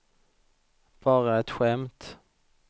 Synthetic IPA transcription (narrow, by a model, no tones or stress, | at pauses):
b̥ɑːɾaɛt̪ɧɛmt̪